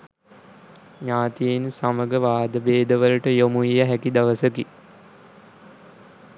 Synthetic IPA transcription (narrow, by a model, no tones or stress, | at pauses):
ɲaːt̪ijensaməɡəʋaːd̪əbeːd̪əʋələʈəjomuijəɦækid̪aʋəsəki